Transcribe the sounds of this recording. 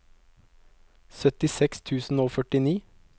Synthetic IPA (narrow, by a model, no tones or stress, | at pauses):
sœt̪ɪsɛkst̪ʰʉːsn̩oːfœʈɪniː